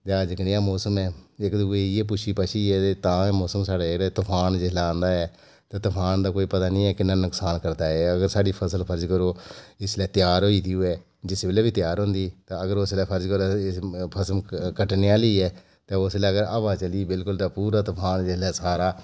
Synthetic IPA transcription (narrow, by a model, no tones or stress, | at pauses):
t̪aːd͡ʒəknɪjãːmɔːsəmɛːɪkd̪uːeːiɛːp̬ʊʃʰiːpaʃiːɛːet̪ãːɛ̃ːmɔːsəmsaːɽaːɾɛt̪ʊpʰaːnd͡ʒɪslaːãːnd̪aːɛː | t̪ãːt̪ʊpʰaːnd̪aːkoːiːpət̪aːnĩːɛːkɪnanʊksaːnkəɾd̪aːɛːəɡəɾsaːɖiːpʰəsəlpʰəɾd͡ʒkəɾoːɪslɛːt̪ɪjaːɾɦoːiːd̪iːʊɛː | d͡ʒɪsbeːleːbiːt̪ɪjaːɾɦʊ̃ːnd̪iːt̪ãːəɡəɾoslɛːpʰəɾd͡ʒkəɾopʰəsəmkəʈneːaːliːɛː | t̪ẽːoslɛːəɡəɾəʋaːt͡ʃəliːbɪlkʊlt̪aːpuːɾaːt̪ʊpʰaːnd͡ʒɪslɛːsaːɾaː